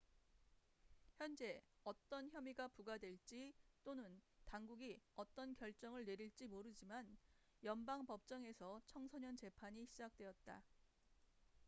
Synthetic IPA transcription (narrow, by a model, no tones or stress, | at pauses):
çjʌnd͡ʑe̞ʌt͈ʌnçjʌmiɡapuɡadwe̞ɭt͡ɕ͈it͈onɯntaŋɡuɡiʌt͈ʌnkjʌɭt͡ɕ͈ʌŋɯɭne̞ɾiɭt͡ɕ͈imoɾɯd͡ʑiman | jʌnbaŋpʌp̚t͡ɕ͈ʌŋe̞sʰʌt͡ɕʰʌŋsʰʌɲʌnt͡ɕe̞pʰaɲiɕʰid͡ʑak̚t͈we̞jʌt̚t͈a̰